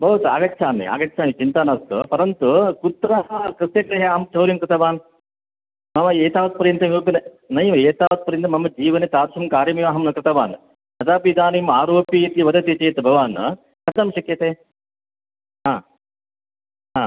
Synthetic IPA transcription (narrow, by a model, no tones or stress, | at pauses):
bʱɐʋut̪a̰ːɡɐːt͡ʃʰaːnḭa̰ːɡɐt͡ʃʰaːnit͡ʃint̪aːnast̪upɐɾɐnt̪ukut̪ːɾɐɦɐkɾɨst̪jɐkɾɐɦɐaːɦɐmt͡ʃʰɐwɾjimkɾɨt̪ʰɐʋaːn | mɐmɐeːt̪aːʋɐt̪̚pɐɾijnt̪ɐmiɐkunɐ | nɐjɐmeːt̪aːʋɐt̪̚pɐɾint̪ɐmɐmɐd͡ʒiːʋɐnet̪aːɾʃumkaːɾjɐmijaːɦɐmnɐkɾɨt̪ɐʋaːn | hɐt̪aːpid̪aːnimaːɾoːpjɐit̪iʋɐd̪ɐt̪et͡ʃeːt̪ɐbʱɐʋaːn | kɐd̪ɐmʃɐkjɐt̪eː | ɦaː | ɦaː